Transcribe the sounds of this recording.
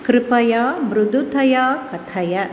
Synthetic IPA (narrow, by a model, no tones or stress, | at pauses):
kɾɪpɐjaːbɾʊd̪ʱut̪ɐjaːkɐt̪ʰɐjɐ